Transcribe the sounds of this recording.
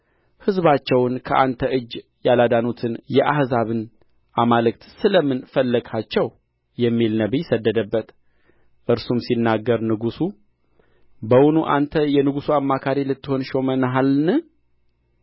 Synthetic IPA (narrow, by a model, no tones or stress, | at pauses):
hɨzβat͡ʃːɛwnkʰəʔant̪ʰəʔɨd͡ʒː | jalad̪anut̪ʰɨnjɛʔahzaβɨn | ʔamalɨkt̪sɨləmɨnfəlːəɡat͡ʃːɛw | jɛmːilnəβijsəd̪ːəd̪əbːət̪ | ʔɨɾsumsinːaɡːəɾnɨɡusu | bəwʊnuʔa̰nt̪ʰəjɛnɨɡusuamːakʰaɾilɨt̪ːɨho̞nʃo̞mənəɦalnɨ